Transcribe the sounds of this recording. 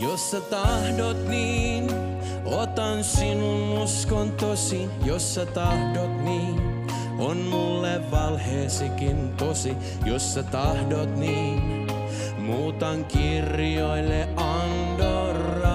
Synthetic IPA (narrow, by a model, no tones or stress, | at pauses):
josːɑt̪ɑhdot̪niːn | ot̪ɑnsinunuskont̪osi | josːɑt̪ɑhdot̪niːn | onmulːeʋʋɑlheːsekint̪osi | josːɑt̪ɑhdot̪niːn | muːt̪ɑŋkirjoilːeʔɑn | dorɑ